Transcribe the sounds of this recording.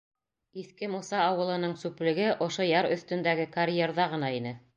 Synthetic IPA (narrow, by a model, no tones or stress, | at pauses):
iθkɘmusɑːwɤ̆lˠɤ̆nɤɴsʉplɘ̆ɡɘʔŏʃojɑɾɵ̆θt̪ɵ̆nd̪æɡɘkɐɾʲjeɾðɑʁɤ̆nɑinɘ